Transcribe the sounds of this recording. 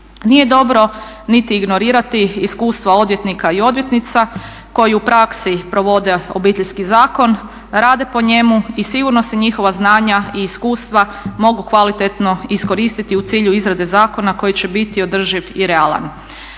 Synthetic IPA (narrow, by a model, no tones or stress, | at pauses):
nije̞d̪o̞bɾo̞nit̪iːɡno̞ɾiːɾat̪iːskuːst̪ʋao̞d̪ʋje̞t̪nikaio̞d̪ʋje̞t̪nit̪sa | ko̞jiupɾaksipɾo̞ʋo̞d̪e̞o̞̰biːt̪eʎskizaːko̞n | ɾaːd̪e̞po̞ɲe̞muisiɡuɾno̞se̞ɲixo̞ʋaznaːɲaiːskuːst̪ʋa | mo̞ɡukʋalit̪et̪no̞isko̞ɾiːst̪it̪iut̪siːʎuizɾad̪e̞zaːko̞nako̞jit͡ɕe̞bit̪io̞d̪r̩ʒiʋiɾe̞alˠa̰n